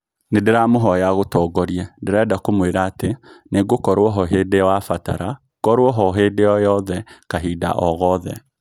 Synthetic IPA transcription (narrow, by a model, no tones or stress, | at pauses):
nedeɾamoɦɔjaɣotɔːɡɔɾiɛndeɾɛdakomweɾaːteneɡokɔɾwɔɦɔɦedeɔwafata̰ɾa | kɔɾwɔɦɔɦeːdejɔjɔðɛkaɦida̰ʔɔɣɔðɛ̰